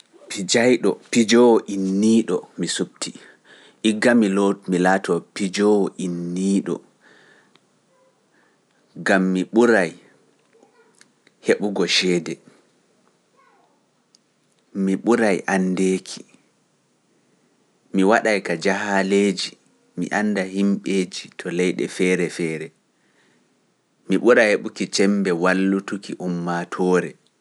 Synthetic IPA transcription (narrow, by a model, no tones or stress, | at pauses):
pʰid͡ʒajɗɔpid͡ʒɔwɔʔinːiːɗɔ̰misub̚tʰi | ʔiɡːamilɔmilatɔpid͡ʒɔwɔʔinːiːɗɔ̰ | ɡamːiɓuɾaj | heɓuɡɔʃɛːdɛ | miɓuɾajʔandeːkʰi̥ | miwaɗajkad͡ʒahaleːd͡ʒi | mḭʔanːdaɦimɓeːd͡ʒitʰɔlɛjɗɛ̰fɛːɾɛfɛːɾɛ | miɓuɾajheɓukit͡ʃɛmbɛwalːutukiʔumːatʰɔːɾɛ